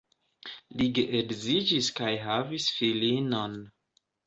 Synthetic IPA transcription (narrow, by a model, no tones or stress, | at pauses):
liɡeʔeɡzid͡ʒiskajɦavisfilino̞n